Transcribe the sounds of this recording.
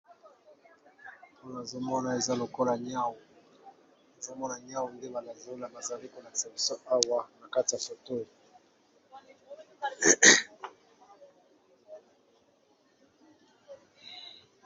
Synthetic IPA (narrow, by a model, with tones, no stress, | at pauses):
po˦na˨zo˦mɔ˦na˨e˨za˦lo˨ko˦la˨ɲ˦a˦wu˨ | na˨zo˦mɔ˦na˨ɲ˦a˦wu˨nde˦ba˨na˨zo˦la˨ba˨za˨li˦ko˨la˨se˨bi˨so˦a˦wa˦na˨ka˦ti˨ja˨so˨to˦jo˨